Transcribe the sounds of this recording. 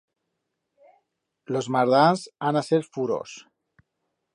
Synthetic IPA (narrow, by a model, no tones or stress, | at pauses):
lozmaɾðanzanaseɾfuɾo̰s